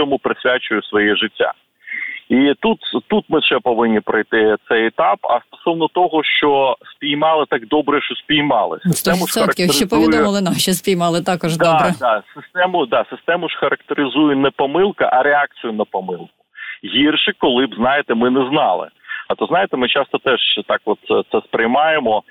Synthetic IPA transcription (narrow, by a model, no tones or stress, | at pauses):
ɔmʊpɾɪsʲʋʲat͡ʃʊjʊsʋɔjɛʒɪtʲːa̰ | it̪ut̪t̪ut̪mɪʃɛpɔʋɪnʲːipɾɐjt̪ɪt̪sɛjɛt̪ɑpɐ̰st̪ɔ̥sɔʋnɔt̪ɔɦɔʃt͡ʃɔsʲpʲijmɑlˠɪt̪ɑɡ̚d̪ɔbɾɛʃt͡ʃɔsʲpʲijmɑlˠɪ̰sɪst̪ɛmʊʃsʲɔɐtɾɐk̪kʲɪʃipɔʋʲɪɔmɐlˠɪnaʃispʲijmɑlˠɪt̪ɑkɔʒd̪ɔbɾɛd̪asɪst̪ɛmʊd̪ɑsɪst̪ɛmʊʂxɐɾɐkt̪eɾɪzujʊnɛpɔmɪlˠkɐ̰ʔɐɾeɑk̚t͡sʲijʊnɐpɔmɪlˠkʊ̥ɦʲirʃɪkɔlˠɪbznɑjɪt̪ɛmɪnɛznɑlˠɪ̰ɐt̪ɔznɑjɪt̪ɛmɪt͡ʃɑst̪ɔt̪ɛʒt̪ɑkʋɔt̪st̪sɛspɾɪjmɑjemɔ